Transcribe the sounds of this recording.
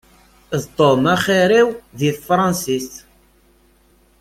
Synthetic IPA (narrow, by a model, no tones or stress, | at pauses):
ðt̪ˤomaχiɾiwðiθfɾˤɑnsis